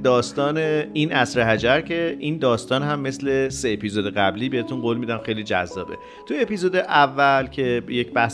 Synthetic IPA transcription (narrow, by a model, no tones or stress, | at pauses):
d̪ɒːst̪ɒːneinʔæsɾeɦæd͡ʒæɾcʰe̞ʔind̪ɒːst̪ɒːnɦæmːe̞sle̞se̞ːpʰizod̪eɣæbliːbehet̪ʰunɢoːlmid̪æmxe̞jlid͡ʒæ̰zːɒːbe̞ | t̪ʰuepizod̪eʔævːælcʰe̞jecbæhs